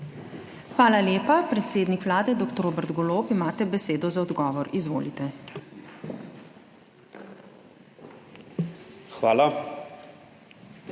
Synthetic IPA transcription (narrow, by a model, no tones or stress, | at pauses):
xʋaːlaljeːpapɾɛt̪seːd̪nikʋlaːd̪ɛd̪oːkt̪ɔɾoːbɛɾt̪ɡɔloːpimaːt̪ɛbɛseːd̪ɔzaɔd̪ɡɔːʋɔɾizʋo̰ːlit̪ɛ | xʋaːla